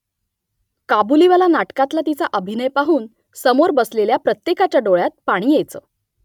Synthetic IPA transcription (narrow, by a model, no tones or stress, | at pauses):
kabuliʋalanaʈkãt̪lat̪it͡saʔəbʱinəjpaɦuːn | səmoɾbəsleljapɾət̪jekat͡ɕjaɖoɭjat̪̚paɽ̃iːjet͡sə̰